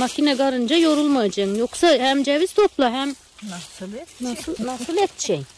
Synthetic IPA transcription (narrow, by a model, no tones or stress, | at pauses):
macʰinɛɡaɾɯnd͡ʒajo̞ɾulˠmajad͡ʒaɯmjoksahæmd͡ʒɛviz̥t̪ʰo̞plˠaɦæm | nasnasɯlˠɛt̪ʃej